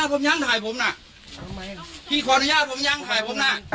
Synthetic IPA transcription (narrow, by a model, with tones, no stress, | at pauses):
t̪̚ʰo˨˦mɲa˧˥ŋt̪ʰaː˨˩jpʰo˨˧˦mna˧ | t̪ʰiː˧˩kʰɔː˨˦˧nu˧˦jaː˧˥˩t̚pʰo˨˧˦mɲa˧˥˨ŋt̪ʰaː˨˩jpʰo˨˦mna˧˩